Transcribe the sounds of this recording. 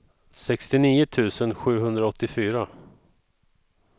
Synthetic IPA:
sɛkst̪ɪniːʊt̪ʰʉ̟ːsənɧʉ̟ːɦɵnd̪ɾaɔt̪ːɪfyːɾa

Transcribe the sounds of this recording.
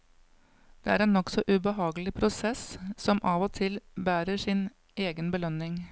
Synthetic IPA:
d̪̥eːæːɾeːnːɔksɔʔʉbəɦɑːɡəl̩ɪpʰɾʊsɛssɔmʔɑːʋoːt̪ʰɪlbæːɾəʂɪn | eːɡənbəlœnɪŋ

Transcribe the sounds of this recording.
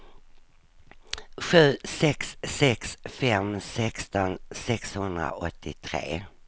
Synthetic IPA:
ɧʉ̟ːsɛksːɛksfɛmsɛkst̪ɔnsɛkshɵnd̪ɾa̰ʔɔt̪ʰːɪt̪ʰɾḛː

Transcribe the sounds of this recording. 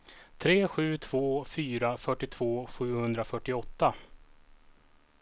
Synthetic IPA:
t̪ʰɾeːɧʉ̟ːt̪ʰv̥oːfyːɾafœʈːɪt̪ʰv̥oːɧʉ̟ːhɵnd̪ɾafœʈːɪɔt̪ːa

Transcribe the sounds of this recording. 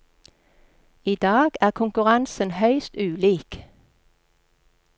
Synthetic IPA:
iːd̪ɑːɡæːʁkʰʊŋkʉʁɑnsənhœʏst̪ʉːliːk

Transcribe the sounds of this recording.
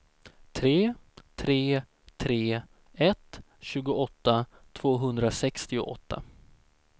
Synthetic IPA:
t̪ʰɾeːt̪ʰɾeː | t̪ʰɾeː | ɛt̪ | ɕʉ̟ːɡʊɔt̪ːa | t̪ʰv̥oːɦɵnd̪ɾasɛkst̪ɪʊ̰ʔɔ̰t̪ʰːa̰

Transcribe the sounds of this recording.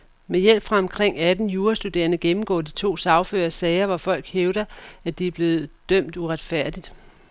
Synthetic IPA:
mejel̰b̥fʁɑ̈ɒ̽mkʰʁeŋ̰æd̥n̩juːɐsd̥ud̥e̝̰ːɐnəɡ̥emm̩ɡ̥ɔ̰ːd̥it͡sʰo̝̰ːsɑ̈ʊfø̰ːɐsɛːɪɐʋɑfɒ̽l̰ɡ̥heʊɾ̥ɐæd̥iæb̥le̝ːð̞̩ˠd̥œm̰d̥uʁad̥fæɐ̰d̥id̥

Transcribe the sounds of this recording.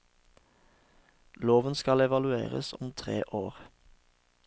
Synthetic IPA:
loːʋənskɑlɛʋɑlʉḛːʁə̰sɔmt̪ʰʁeːʔoːʁ

